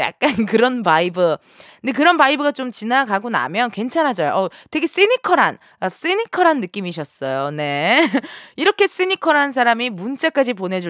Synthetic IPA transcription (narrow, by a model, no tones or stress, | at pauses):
ja̰k̚k͈ankɯɾʌnpaibɯ | nde̞k̬ɯɾʌnbaibɯɡat͡ɕomt͡ɕinaɡaɡona̰mjʌnkwe̞nt͡ɕʰanɦad͡ʑʌjoʔʌte̞ɡe̞s͈inikʰʌɾɦan | as͈ɯnikʰʌɾɦanːɯk͈imiɕ̬ʰʌs͈ʌjone̞ | iɾʌkʰe̞s͈ɯɲikʰʌɾɦansʰaɾamimunt͡ɕ͈ak͈ad͡ʑipone̞d͡ʑu